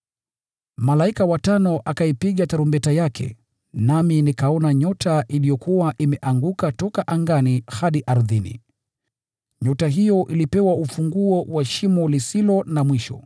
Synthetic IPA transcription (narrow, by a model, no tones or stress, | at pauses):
malaikawatanɔʔakaipiɠataɾumbɛtajakʰɛ̰ | naminikaɔnaɲɔtʰaʔilijɔkuwaʔimɛʔaŋɡukatɔkaʔaŋɡanihaɗiʔaɾðinḭ | ɲɔtaɦijɔʔilipɛwaufuŋɡuɔwaʃimɔlisilɔnamwiʃɔ̰